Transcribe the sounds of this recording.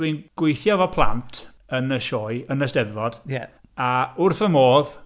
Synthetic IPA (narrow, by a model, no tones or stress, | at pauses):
winɡ̥wɪjθjɔvɔpʰlˠa̰ntʰ | ənəʃoːɨənəsd̥ɛðvɔd̥jɛ | aʊrθəmoːð